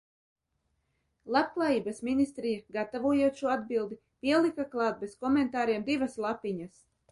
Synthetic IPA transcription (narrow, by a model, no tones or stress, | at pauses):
lˠap̚klˠaːjiːbasminist̪ɾijaɡat̪avuɔjuɔt̪ʃuɔad̪bilˠd̪i | pʲiɛlˠikaklˠɑːt̪̚beskɔmɛnt̪aːɾiɛmd̪ivaslˠapiɲas